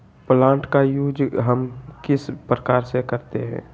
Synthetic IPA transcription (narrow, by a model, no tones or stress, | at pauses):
plãːɳʈkajuːd͡ʒɦəmkɪspɾəkaːɾsekəɾt̪eɦɛ̰̃ː